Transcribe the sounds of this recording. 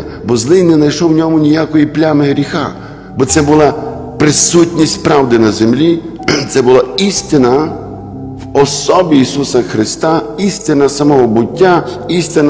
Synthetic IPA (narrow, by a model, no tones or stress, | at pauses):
bɔzlˠɪjnɛnɐjʃɔwnʲɔmʊnʲijakɔjiplʲamɪɦɾʲixa̰ | bɔt̪sɛbʊlˠɑ | pɾɪsutʲnʲisʲt̪ʲspɾɑwd̪ɪnɐzemlʲi | t̪sɛbʊlˠaist̪ɪnɐ | wɔsɔbʲiːsusɐxɾɪst̪ɑist̪ɪnɐsɐmɔɦɔbʊtʲːaist̪ɪn